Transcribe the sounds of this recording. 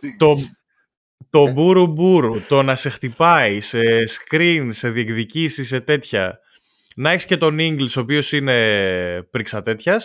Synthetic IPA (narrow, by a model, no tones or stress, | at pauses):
t̪o̞ | t̪o̞buɾubuɾut̪o̞nɐse̞xt̪ipɐise̞skɾinse̞ðiekðicisis̬e̞t̪e̞t̪çɐ̰ | nɐeçisce̞t̪o̞niŋɡliso̞ːp̬io̞sine̞pɾiksɐt̪e̞t̪çɐs